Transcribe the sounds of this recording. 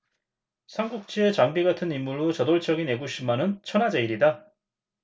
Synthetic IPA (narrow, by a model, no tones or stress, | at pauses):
sʰaŋɡuk̚t͡ɕ͈iet͡ɕaŋbiɡatʰɯnimːuɭːut͡ɕʌdoɭt͡ɕʰʌɡine̞ɡuɕʰimanɯnt͡ɕʰʌnad͡ʑeiɾida